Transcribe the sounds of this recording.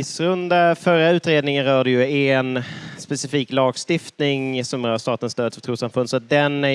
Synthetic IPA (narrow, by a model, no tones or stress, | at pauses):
ɪsɾɵnd̪afœɾaʉ̟ːt̪ɾeːd̪nɪŋənɾœːɖəjɵɛnspɛsɪfiːklɑːɡst̪ɪft̪nɪŋsɔmɾœːst̪ɑːt̪ənst̪øːd̪fœ̥t̪ʰɾuːsamfɵnsɔat̪̚d̪ɛnæ